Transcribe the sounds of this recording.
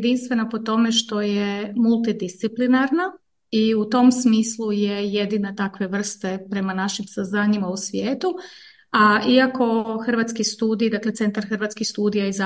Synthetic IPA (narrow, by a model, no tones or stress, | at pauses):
d̪inst̪ʋe̞napo̞t̪o̞me̞ʃt̪o̞jemulˠt̪id̪ist̪siplinaɾna | iut̪o̞msmiːslˠuje̞je̞d̪inat̪akʋe̞ʋr̩st̪e̞pɾe̞manaʃimsaznaːɲimausʋjeːt̪u | aiako̞xrʋat̪skist̪uːd̪ijd̪akle̞t̪se̞nt̪aɾxrʋat̪kixst̪uːd̪ijaiza